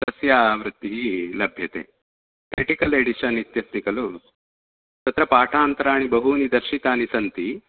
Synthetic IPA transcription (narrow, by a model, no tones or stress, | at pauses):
t̪ɐsjaːʋɾɨt̪ːiɦilɐbʱjɐt̪ḛː | kɾeʈikɐleɽiʃɐnit̪jɐst̪ikɐlu | t̪ɐt̪ɾɐpaːʈʰaːnt̪ɐɾaːɳ̃ibɐɦunid̪ɐɾʃit̪aːnisɐnt̪i